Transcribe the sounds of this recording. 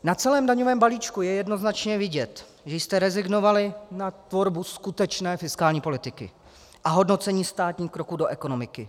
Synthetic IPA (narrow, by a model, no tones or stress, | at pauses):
nat͡sɛlɛːmdaɲovɛːmbaliːt͡ʃkujɛjɛdno̞znat͡ʃɲɛvɪɟɛt̪ | ʒɛjst̪ɛɾɛzɪɡno̞valɪnat̪voɾbuskut̪ɛt͡ʃnɛːfɪskaːlɲiːpo̞lɪt̪ɪkɪ̰ | ʔaɦo̞dno̞t͡sɛɲiːst̪aːt̪ɲiːxkɾo̞kuːdo̞ʔɛko̞no̞mɪkɪ